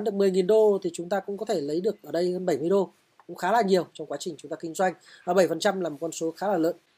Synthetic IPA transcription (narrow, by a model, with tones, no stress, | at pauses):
nɗɨ˨˩ək̚mɨ˨˩əjŋi˨˩nɗo˧t̪ʰi˨˩t͡ɕʊ˨˦ŋ͡mt̪aː˧kʊ̰˧˥ŋ͡mkɔ˨˦t̪ʰe˧˩lə˨˦jɗɨ˨˩ək̚ʔəː˧˩ɗə˧jhəː˧nɓə˧˩jmɨ˧əjɗo˧ | kʊ̰˧˥ŋ͡mxaː˨˦laː˨˩ɲi˨˩əwt͡ɕɔ˧wŋ͡mkwaː˨˦t͡ɕï˨˩ŋ̟t͡ɕʊ˨˦ŋ͡mt̪aː˧kï˧ŋzwa˧jŋ̟ʔəː˨˩ɓə˧˩jfə˨˩nt͡ɕa˧mlaː˨˩mo˨˩kɔ˧nso˨˦xaː˨˦laː˨˩lə̰ː˧˨n